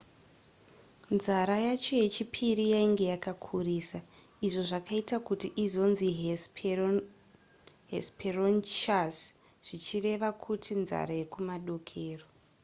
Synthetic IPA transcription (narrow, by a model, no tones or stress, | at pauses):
nzaɾajat͡ʃo̞je̞t͡ʃipʰiɾijaiŋɡe̞jakakʰuriːsa | iʐo̞ʐakaitakutiʔizo̞nzi | ɦḛspʰeront͡ʃas | ʐ̥it͡ʃire̞ʋakʰutʰinza̰ɾaje̞kumaɗo̞kʰeːro